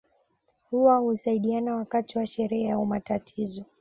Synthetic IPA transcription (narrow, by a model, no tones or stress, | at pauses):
huwahusaiɗianawakatiwaʃɛɾɛɛaumatatʰizɔ